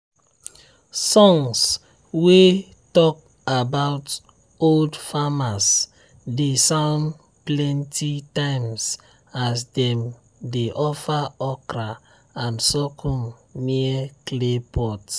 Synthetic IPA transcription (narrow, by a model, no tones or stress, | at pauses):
sɔ̃ŋs | we | tɔk̚ | abaʊt | oldfamas | desãʊ̃nd | plɛ̃ntʰitãɪ̃ms | asdɛ̃m | deʔɔfaɔkɾa | ãnsɔkʰɔmmiɛklepʰɔt